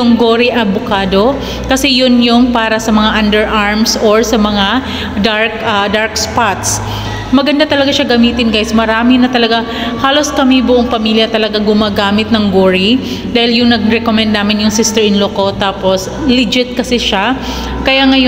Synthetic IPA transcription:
ʊŋɡoːɾiʔɐbʊkaːd̪o̞ | kɐsɛjʊnjʊŋpaːɾɐsɐmɐŋaʔɐnd̪ɛɹʔaɹmsoɹsɐmɐŋa | d̪aɹkɐd̪aɹkspat̪s | mɐɡɐnd̪at̪ɐlɐɡaʃaɡɐmiːt̪ɪnɡajsmɐɾaːmɪnɐt̪ɐlɐɡa | haːlo̞skɐmibʊʔoŋpɐmiːljɐt̪ɐlɐɡaɡʊmaːɡaːmɪt̪̚nɐŋɡoːɹi | d̪aːhɪljʊŋnɐɡ̚ɾɛkomɛnd̪naːmɪnjʊŋsɪst̪ɛɹɪnlokot̪aːpos | lɪd͡ʒɪt̪̚kɐsɛʃa | kɐjaŋɐj

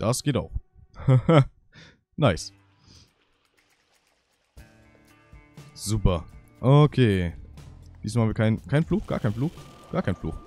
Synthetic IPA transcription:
d̥asɡ̥eːtaʊx | naɪs | z̥uːpɐ | ʔokʰeː | d̥iːzsmaːham̩iɐkʰaɪnkʰaɪnfluːxɡ̥a̰ːɐkʰaɪnfluːxɡ̥aːɐkʰaɪnflṵːx

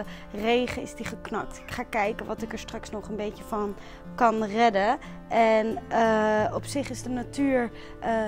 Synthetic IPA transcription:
ə | rejχəɪ̰zdiχəknɑk̚tɪ̥kχaːkɛjkənʋɑtɪkəɹstrɑksnɔχənbejəvɑn | kɑnrɛdə | ʔɛnəɔpsɪχɪzdənatyːɹ

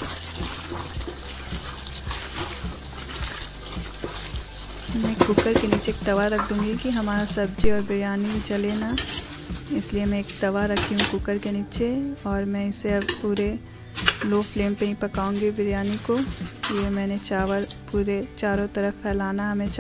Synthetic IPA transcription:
mɛ̃kʊkəɾkeniːt͡ʃeːk̚t̪ɐʋaɾɐkʰd̪ũːŋɡikiɦɐmaːɾasɐb̚d͡ʒiɔːɾbɪɾjaːnit͡ʃɐlena | ɪsliemɛ̃eːkt̪ɐʋaɾɐkʰiɦũkʊkəɾkeniːt͡ʃeɔːɾmɛ̃ɪseɐbpuːɾe | loːfleːmpeĩpɐkaːũŋɡibɪɾjaːnikojemɛ̃ːneʋɾpuːɾet͡ʃaːɾõt̪ɐɾəfpʰɛːlaːnaɦɐmẽt͡ʃ

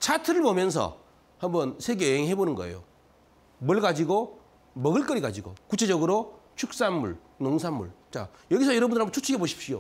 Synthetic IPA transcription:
t͡ɕʰatʰɯɾɯɭbomjʌns̬ʰʌ̰ | hambʌnsʰe̞ɡeeŋɦe̞bonɯnɡʌ̰ḛjo̰ | mwʌɭɡad͡ʑiɡo | mʌɡɯɭk͈ʌɾiɡad͡ʑiɡo̰kut͡ɕʰe̞d͡ʑʌɡɯɾo | t͡ɕʰuk̚s͈anmuɭ | noŋsʰanːṵɭt͡ɕa̰ | jʌɡisʰʌjʌɾʌbundɯɾɦambʌt͡ɕʰut͡ɕʰɯkʰeboɕʰi̥p̚ɕio

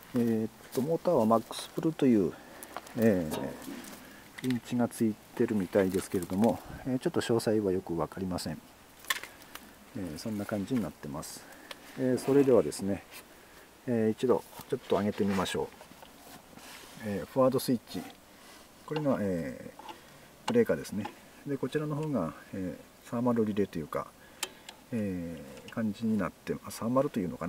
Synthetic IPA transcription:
eːt̪ːo̞moːt̪aβamakːɯ̥sɨ̥pɯ̟ɾɯ̟t̪o̞jɯ̟ː | eː | ɾʲĩɲ̟t͡ɕiɡat͡sɨit̪e̞ɾɯ̟mʲit̪aid̪e̞sɨ̥ke̞ɾe̞d̪o̞mo̞eːt͡ɕo̞t̪ːo̞ɕo̞ːsaiβajo̞kɯ̟βakaɾʲimasẽ̞ɴ | eːsõ̞nːakãɲ̟d͡ʑiɲ̟inat̪ːe̞masɨ̥eːso̞ɾe̞d̪e̞β̞ad̪e̞sɨne̞ | it͡ɕid̪o̞̰t͡ɕo̞t̪ːo̞aɡe̞t̪e̞mʲimaɕo̞ː | eːɸɯ̟aːd̪o̞sɨit͡ɕi | ko̞ɾe̞ɡaeː | b̥ɯ̟ɾe̞ːkad̪e̞sɨne̞ | d̪e̞ko̞t͡ɕiɾano̞ɦo̞ːɡaeː | saːmaɾɯɾʲiɾe̞t̪o̞jɯ̟ːka̰ | eːkãɲ̟d͡ʑiɲ̟inat̪ːe̞asaːmaɾɯ̟t̪o̞jɯ̟ːno̞kan

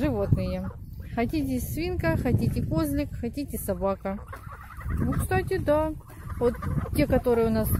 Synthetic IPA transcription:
ʐɨvo̞t̪nɨjəxɐtʲitʲɪsvʲinkəxɐtʲitʲɪkozlʲɪkxɐtʲitʲɪsɐbakə | nʊkst̪atʲɪd̪a | vot̪ːʲekɐt̪o̞ɾɨjəʊnas

